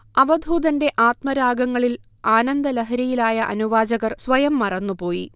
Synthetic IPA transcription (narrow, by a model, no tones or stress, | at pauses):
ɐʋɐd̪ʱuːd̪ɐnde̞ʔaːt̪mɐɾaːɡɐŋːɐɭil | aːnɐnd̪ɐlɐɦɐɾɐjilaːjɐʔɐ̰nuʋaːd͡ʑɐɣɐrsʋɐjɐmːɐrɐnːupo̞ːjḭ